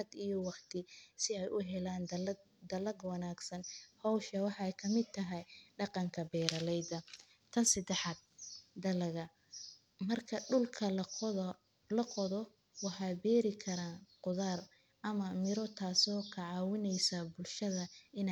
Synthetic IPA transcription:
ɐd̪ijɔwɑqt̪ʰɪsɪɛjʔʊɦɛlaːn | d̪ɐlɐɡwɑnaːɡsɐnhɔwʃɐwɑħɑɛjkʰɐmɪd̪̚t̪ʰːɐɦɛjɖɑqɑŋkʰɐbɛːɾɐlɛjd̪ɐ | t̪ʰɐnsɐd̪ɛħaːd̪̚d̪ɐlɐɣɐ | mɐrkʰɐɖʊlkʰɐ | lɐqɔðɔ | wɑħɑːbɛːɾɪkʰɐɾaːnqʊðaːr | ʔɐmɐmɪɾɔt̪ʰaːsɔːkʰɐʕɑːwɪnɛjsɐbʊlʃɐðɐɪn

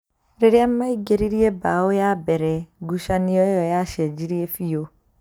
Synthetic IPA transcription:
ɾeɾeamːaiɡeɾiɾiebaojabɛɾɛɡuʃaniɔejɔjaʃɛd͡ʒiɾiefio

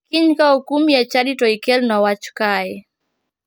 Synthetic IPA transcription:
kiɲkaukumijat͡ʃaɗitɔikɛlnɔwat͡ʃu̥kaɛ

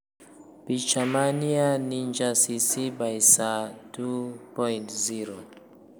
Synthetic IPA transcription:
bit͡ʃamanianiɲd͡ʒasisibajsatupɔjntziɾo

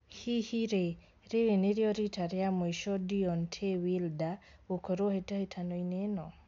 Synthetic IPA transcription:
hihiɾe | ɾeɾeneɾjɔɾitaɾjamoiʃɔdiɔntʰewildaokɔɾohetahetʰanɔinenɔ

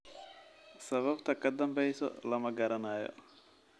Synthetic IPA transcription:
sɐβɐbt̪ʰɐkɐd̪ɐmbɛjsɔ̰lɐmɐɡɐɾɐnaːjɔ̰

